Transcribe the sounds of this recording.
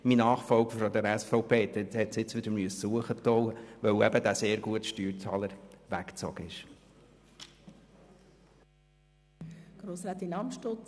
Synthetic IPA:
minɑːχfɔlɡfɾɔd̪ɛɾɛsfɔʊpʰeːt̪ɛhɛt̪sɪt͡sʋɪd̥̪əɾmyəssuəχət̪ɔwəʋœwɛbəd̪æseːɾɡuətʃtyːɾt͡sɑːləɾʋækt͡sɔ̰ɡ̥əɪʃ | ɡ̥ɾoːsɾæt̪inɑmʃtʊ

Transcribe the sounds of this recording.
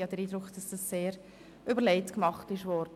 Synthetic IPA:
ɑd̥əɾiːdɾʊkχd̥ɑsd̥ɑsːeːɾ | ʔybəɾlɛɪtkmɑχtɪʃʋɔɾd̥ə

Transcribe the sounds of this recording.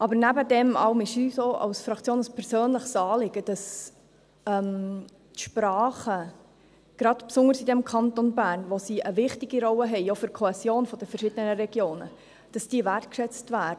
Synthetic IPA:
ʔɑbəɾnæbədɛmɑ̰ʊmɪʃysoːɑ̰ʊsfɾɑkʰt͡sjoːnəspʰɛɾsøːnləχsɑːlɪɡəd̥ɑs | ɛm | tʃpɾɑːχə | ɡ̥ɾɑd̥psʊŋəɾsidɛmkʰɑnt̪ɔnbæːrnʋosiəvɪχtɪɡiɾɔwəɦɛɪofyɾkʰoɛsjoːnfɔd̥əfəɾʃɪd̥ənəɾɛɡjoːnə̰ | d̥ɑsd̥iːəværtkʃɛt͡stvæːd

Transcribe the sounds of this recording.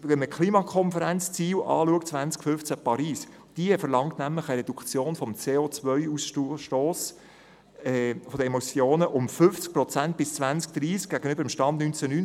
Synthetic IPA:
ʋɛnməkχliːmɑkʰɔnfəɾænt͡st͡siːlʔɑ̰ːluəktt͡sʋænt͡skfʏft͡sæpʰɑɾiːs | d̥iəfəɾlɑŋtnæmlɪχəɾɛd̪ukʰt͡sjoːnfɔmt͡seːot͡sʋœʏusʃtoːs | ɛfod̥̪əemot͡sjoːnəʔʊmfʏft͡sk̚prɔt͡sænt̚b̥ɪst͡svænt͡sk̚d̪̥ɾiːsk̚ɡ̥æɡ̥ənʏbəɾəmʃtɑnd̚nynt͡sænyn

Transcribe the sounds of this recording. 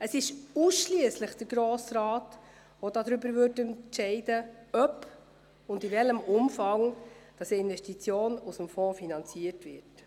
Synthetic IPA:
əsɪʃuːsʃliəsləχd̥əɾɡɾoːsɾɑːt | vodɑd̪ɾʏbəɾvøɾtɛnʃɛɪdəœp | ʊndivɛləmʔʊmfɑŋd̥ɑsiɪnvɛʃtit͡sjoːnusəmfɔ̃ːfinɑnt͡siəɾtvɪt

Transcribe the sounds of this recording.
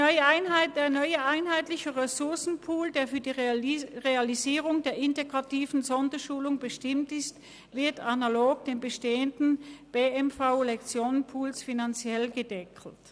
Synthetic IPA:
nɔəaɪnaɪd̥eːɐnɔʏəʔaɪnɦaɪtlɪçəʁɛsʊɐsn̩pʰuːldeːɐfyːɐdiːʁealiziːʁ̞ʊŋdeːɐʔɪnteɡʁatiːvn̩zɔndɐʃuːlʊŋbəʃtɪmtɪst | v̥ɪɐtʰanaloːɡd̥eːnbəʃteːəndn̩b̥eːɛmfaʊlɛkt͡sjoːnənpʰuːlsfinant͡sjɛlɡədɛkʰl̩t

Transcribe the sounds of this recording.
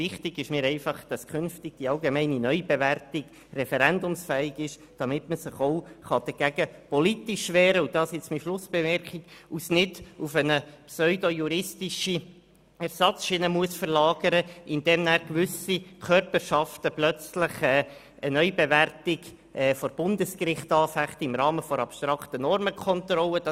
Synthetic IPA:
vɪχtɪɡɪʃmɪːɾɛɪfɑχd̥ɑskʰχʏnftɪɡ̥d̥iɑlɡemɛɪninœʏbeværtɪɡ̥ | rɛfɛɾændʊmsfɛːɪɡɪʃd̥ɑmɪtməsɪχoʊχɑd̥əɡ̥æɡəpɔlit̪iʃʋɛːɾəud̥ɑːsɪt͡smiʃlʊsb̥ɛvɛɾkiɡusnɪdufənəpsœʏdojuɾɪstiʃi | ɛɾsɑt͡sʃɪnəmuəsfəɾlɑːɡəɾəʔɪnd̥̪ɛːmnæːɾkʋʏsikʰœrpəɾʃɑftəplœt͡slɪχɛː | ənœʏbɛværtɪɡ | ʔɛfɔɾb̥ʊndəskrɪχtɑːfæχtɪmɾɑːməfɔɾɑpʃt̪ɾɑktənɔrməkʰɔntrɔləd̥ɑ

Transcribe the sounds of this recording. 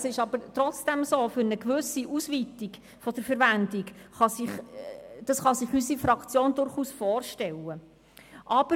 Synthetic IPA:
sɪʃɑb̥əɾtɾɔt͡sd̥ɛmsoːfʏɾnəkʋɵsiʔusvit̪iɡ | fɔd̥̪əɾfəɾʋænd̪ikχɑsɪχd̥ɑsχɑsɪχysifɾɑkt͡sjoːnd̪ʊɾχuːsfɔːɾʃtɛlə | ʔɑb̥ə

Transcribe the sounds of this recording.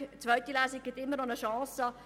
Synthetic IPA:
t͡sʋœʏt̪ilæːsiɡ̚ɡ̥ɪt̪ɪmːəɾnɔnəʃɑ̃ːsɑ

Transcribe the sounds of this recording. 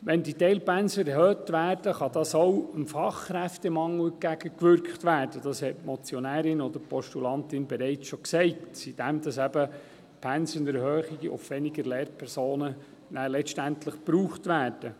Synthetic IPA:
ʋɛnditɛɪlpænsəɛɦøːtʋæːɾd̥əχɑd̪ɑsowəmfɑχχɾæftemɑŋəɡ̥æɡ̥əkʋʏɾkχtʋæːɾd̥əd̥ɑshɛtmɔt͡sjonæːɾɪnɔd̪əɾpʰɔʃtulɑnt̪ɪnbɛɾɛɪt͡sʃɔksɛɪtsid̥ɛmd̥̪ɑsæb̥ə | pʰænsənəɾɦøːχɪɡiʔʊ̰fʋɛnɪɡəɾlɛːɾpʰɛɾsoːnə | nælɛʃtæntləχpɾuːχtʋæːɾd̥ə

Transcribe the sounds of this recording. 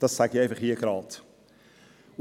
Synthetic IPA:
d̥ɑssæɡiɛj̃nfəχhiːəɡɾɑːt

